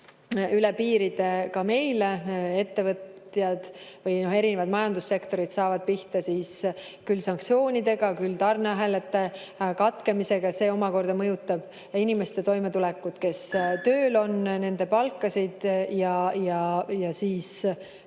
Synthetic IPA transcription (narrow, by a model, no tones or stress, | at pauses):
ylepiːɾid̪̥e̞kɑme̞jlee̞t̪ːe̞vɤt̪jɑd̪̥vɤjno̞ɦe̞ɾine̞vɑd̪mɑjɑnd̪̥usːe̞kt̪o̞ɾid̪sɑːvɑd̪̥̚piht̪ɑsiːs | kylːsɑŋkt̪sio̞ːnʲid̪e̞ɡ̥ɑkylt̪ɑrnɑɦælet̪ːˑe | kɑt̪ke̞mise̞ɡ̥ɑse̞ːo̞mɑko̞rd̪̥ɑmɤjut̪ːˑɑb̥ | inimest̪e̞t̪o̞jme̞t̪ulɛkːˑud̪̥ke̞st̪ø̞ːlo̞nne̞nd̪e̞pɑlkːˑɑsid̪̥jɑjɑjɑsiːs